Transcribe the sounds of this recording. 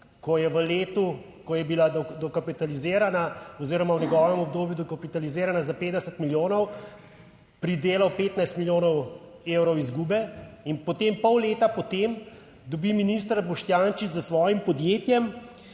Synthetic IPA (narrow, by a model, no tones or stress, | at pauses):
kɔjɛʋəleːt̪u | kɔjɛbilad̪ɔd̪ɔkapit̪alizeːɾanaɔziːɾɔmawnɛɡɔːʋɛmɔb̚d̪oːbjud̪ɔkapit̪alizeːɾanazapeːd̪d̪ɛsət̪miljoːnɔw | pɾid̪eːlawpeːt̪najst̪miljoːnɔw | eːwɾɔwizɡuːbɛinpɔt̪empɔwleːt̪apɔt̪em | d̪ɔbiminis̬t̪ɾabɔʃt̪jant͡ʃizasʋɔːjimpɔd̪jeːt̪jɛm